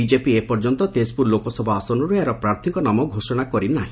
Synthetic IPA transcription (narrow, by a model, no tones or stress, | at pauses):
id͡ʒepiepɔɾd͡ʒɔnt̪ɔt̪espuɾlokɔsɔbʱɔasɔnɔɾueɾɔpɾaɾt̪ʰikɔnamɔɡʱosɔɽ̃akɔɾinaɦĩ